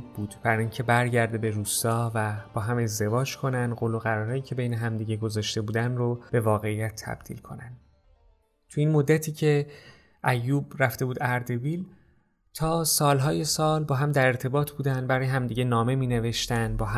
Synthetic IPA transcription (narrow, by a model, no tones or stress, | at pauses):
buːd̪bæɾincʰe̞bæɾɟæɾd̪e̞be̞ɾuːst̪ɒːvæb̥ɒːɦæme̞zd̪e̞vɒːd͡ʒkʰo̞nænd̪ɢoːlo̞ɣæɾɒːɾɒːjiːcʰe̞be̞jne̞ɦæmd̪iːɟe̞ɡo̞zɒːʃt̪e̞buːd̪ænrob̥e̞vɒːɣe̞ijæt̪ʰːæ̰b̥̚d̪̥ḭːlkʰo̞̰nænd̪ | t̪ʰuinmod̪ːæt̪ʰiːcʰe̞ | ʔæjːuːbɾæft̪e̞buːd̪æɾd̪e̞biːl | t̪ʰɒːsɒːlɦɒːje̞sɒːlbɒːɦæmd̪æɾe̞ɾt̪ʰe̞bɒːt̪ʰb̥uːd̪ænd̪bæɾɒːjeɦæmd̪iːɟenɒːme̞miːne̞ve̞ʃt̪ænd̪bɒːɦæ